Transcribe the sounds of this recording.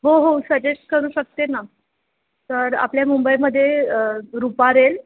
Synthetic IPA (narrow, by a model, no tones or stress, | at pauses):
ɦoɦosəd͡ʑesʈ̚kəɾuːɕək̚t̪ena | t̪əɾa̰pljamumbəjməd̪ʱːjeəɾupaɾel